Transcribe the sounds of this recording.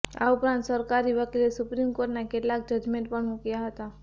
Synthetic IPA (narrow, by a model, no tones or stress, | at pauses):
a̰ʊpɾãnt̪səɾkaɾiʋəklesʊpɾimkoːɾʈnakelːak̚d͡ʒəd͡ʒmẽɳʈ̚pəɳukijaɦət̪a